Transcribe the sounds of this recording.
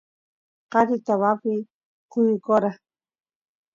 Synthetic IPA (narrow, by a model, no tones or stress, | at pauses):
qɑɾɪt̪aβapɪ | qʊjkoɾa